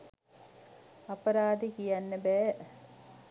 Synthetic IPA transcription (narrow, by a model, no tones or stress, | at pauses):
ɐpɐɾaːd̪ikijɐnːɐbe